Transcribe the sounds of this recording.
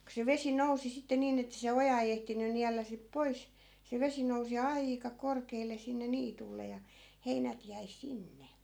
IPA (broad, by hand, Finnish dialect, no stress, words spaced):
ko se ʋesi nousi sitːe niːn etːæ̆ se ojɑ ei ehtiny niælːæ sip pois se ʋesi nousi ɑikɑ korkeːlˑe sinːe niːtulːe jɑ heinæt jæi sinːe